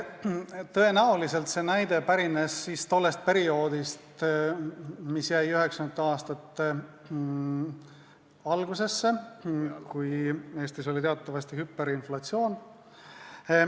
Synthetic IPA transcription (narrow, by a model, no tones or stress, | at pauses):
t̪ɤ̞e̞næolise̞lt̪se̞næjd̪̥e̞pæɾine̞sːiːst̪o̞lːe̞st̪̚pe̞ɾio̞ːd̪̥ist̪ | misjæjyɦe̞ksɑnt̪ːɑːst̪ɑt̪ːe | ɑlɡuse̞sːe̞ | kuje̞ːst̪iso̞lit̪e̞ɑt̪ːˑɑvɑst̪ihypːe̞ɾinflɑt̪sio̞ːn